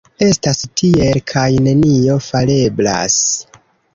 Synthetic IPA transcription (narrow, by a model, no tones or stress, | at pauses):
e̞stastʰie̞lkʰajne̞nio̞fale̞bla̰s